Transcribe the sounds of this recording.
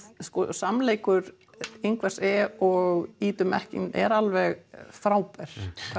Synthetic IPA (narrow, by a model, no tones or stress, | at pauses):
skɔsamleːjkʏɾ | eŋkvar̥sɛɔɣiːt̪ʏmɛ̰hcɪ̰ŋɛ̰ɾalvɛɣfɾaːwpɛɾ̥ʰ